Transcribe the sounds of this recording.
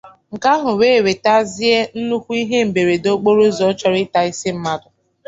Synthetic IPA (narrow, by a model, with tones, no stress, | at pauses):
ŋ̩˨ka˦ɦʊ˨we˦˨we˨ta˦zɪ˦e˦n̩˦nu˦kʷu˦i˦ɦe˦m̩˨be˨ɾe˨do˦k͡po˦ɾo˦zɔ˨˦t͡ʃɔ˦ɾɪ˦ta˨i˦si˦m̩˦ma˦dʊ˨